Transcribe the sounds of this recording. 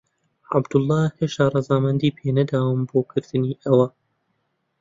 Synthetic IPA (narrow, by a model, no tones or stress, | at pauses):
ʕa̰bd̪ʊlˠːɑːheʃt̪aːrˤɑzaːmɐnd̪iːpʰeːnɐd̪aːwɨmboːkʰɨɾd̪ɨniːʔɐwɐ